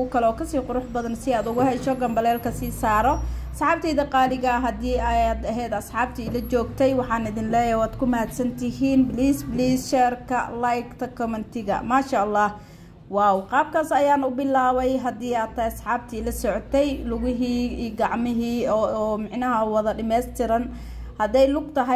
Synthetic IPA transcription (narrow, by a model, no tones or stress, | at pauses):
ʊkʰɐlɛɔːkʰɐsiːqʊɾʊħbɐðɐnsɪaːd̪ʊɣʊɦɛʃɔɡɐmbɐlɛːlkʰɐsiːsaːɾɔɐsħɑːb̚t̪ʰiːd̪ɑqɑːlɪɣɐɦɐd̪iːɐad̪ɐɦɛːd̪ɐsħɑːb̚t̪ʰiːlɐt͡ʃɔːɡt̪ʰɛjwɑħɑːnɪðɪnlɛːjɐwaːd̪kʰʊmɐhd̪sɐnt̪ʰɪɦiːnbliːsbliːsʃɛːrkʰɐ̰lajkt̪ʰɐkʰɔmɪnt̪ʰɪɣɐ̰maːʃaɑlːɑːh | waːwqɑːb̚kʰaːsɐjaːnʊbɪlaːwɛjɦɐd̪iːaːt̪ʰːɐsħɑːb̚t̪ʰiːlɐsɔʕɔt̪ʰɛjlʊɣɪɦiːiːɡɑʕmɪɦiːɔːmɪʕnɐɦɐwɐðɐɖɪmɛːst̪ʰɪɾɐn | hɐd̪ɛjlʊɡt̪ʰɐɦɛ